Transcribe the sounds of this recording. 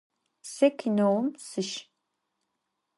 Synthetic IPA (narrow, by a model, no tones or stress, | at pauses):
sɛkʲʰinowmsɨʃ